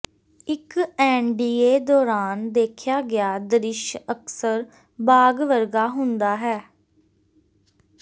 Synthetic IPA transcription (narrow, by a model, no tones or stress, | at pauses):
ɪkɛːnɖiːeːd̪ɔːɾaːnd̪eːkʰɪjaːɡɪaːd̪əɾɪʃəksəɾ | baːɡʋəɾɡaːɦʊ̃nd̪aːɦɛː